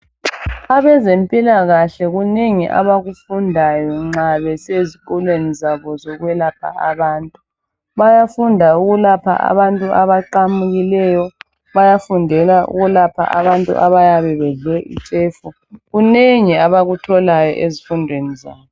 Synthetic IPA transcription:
aβɛzempʼilaɣaɬɛɣuneŋiʔa̰βaɣufundʱajɔŋ͡ǁaβɛseziɣɔlwenizaβɔzɔɣwɛlapʰa̰aβaːntʼu | βajafundʱauɣulapʰa̰ʔa̰βantʼuaβaǃamuɣilɛjɔ | βajafundʱɛlaṵɣulapʰa̰ʔaβantʼṵʔaβajaβɛβɛɮɛʔḭt͡ʃʼeːfu | ɣuneŋiaβaɣutʰɔlajɔ̰ʔezifundʱwenizaːβɔ

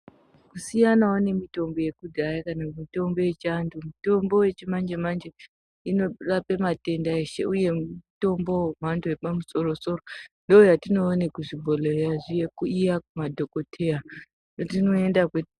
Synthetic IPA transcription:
kusijanaone̞mito̞mbo̞je̞kudʱajakanamito̞mbo̞je̞t͡ʃandumito̞mbo̞je̞t͡ʃimand͡ʒemand͡ʒe | ino̞rapemate̞ndaeʃḛuje̞mto̞mbo̞mantojepamuso̞ɾo̞so̞ɾondoːjatino̞ːne̞kuʐibʱo̞leraʐijekuijakumadʱo̞ko̞tʰe̞ja | jotinoe̞ndakwe

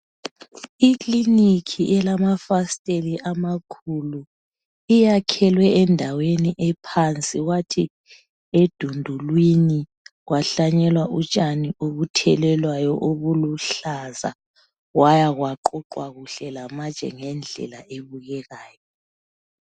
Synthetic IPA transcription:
ikʼlinikʰiʔɛlamafastʼeliʔamakʰulu | ijakʰɛlwɛɛndʱaweniʔɛpʰant͡sʼiɣwatʰi | ed̥ʱundʱulwini | ɣwaɬaɲɛlwaʔut͡ʃʼanioβutʰɛlɛlwajɔʔoβuluɬaza̰ | wajaɣwaǃɔǃwaɣuɬɛlamat͡ʃʼɛ̰ŋɛnd͡ɮʱɛ̰laʔeβuɣɛɣaːjɔ

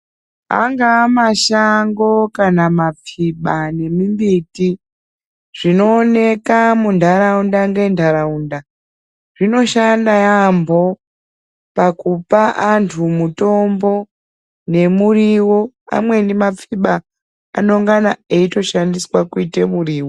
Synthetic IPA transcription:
a̰ŋɡaːmaʃaŋɡo̞kanamap͡fiɓane̞mimbiti | ʐ̥ino̞ːne̞kamundʱaɾaundaŋɡendaɾaunda | ʐino̞ʃandajambo̞ | pakupaʔantʰumuto̞mbo̞ | ne̞muriwo̞ | a̰mwe̞nimap͡fiɓa̰ː | noŋɡanaeito̞ʃandiswakuitemuriːwo

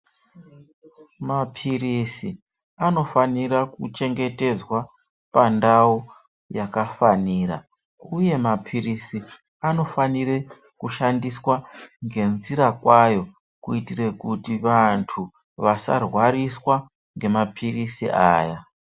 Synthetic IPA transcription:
mapʰirisi | ano̞faniɾakut͡ʃe̞ŋɡe̞te̞d͡zwa | pandao | jakafaniːra̰ | uje̞mapʰirisi | ano̞faniɾe | kuʃandiswaŋɡe̞nziɾakwajo̞ | kuitire̞kutiʋantʰu | ʋasa̰rwaɾiswa | ŋɡe̞mapʰirisḭʔa̰ːja

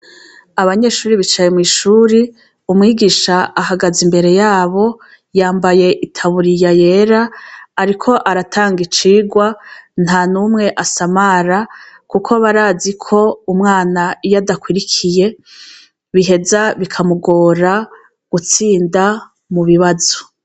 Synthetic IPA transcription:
aβaɲe̞ʃuːɾiβit͡ʃajemŋiːʃuːɾi | umŋiːɡiʃaaɦaɡazimbe̞ɾe̞jaːβo̞ | jaːmbaje̞ʔitʰaβuɾijaje̞ːɾaːɾikʰo̞ʔaɾatʰaːŋɡit͡ʃiːɡwan̥hanumŋe̞ʔasamaɾa | kukʰo̞βaɾaːzikʰo̞umŋaːnaijadakwiɾikʰije̞ | βiɦe̞zaβikʰamuɡo̞ːɾa | ɡ̥ut͡siːnda | muβiβazo̥

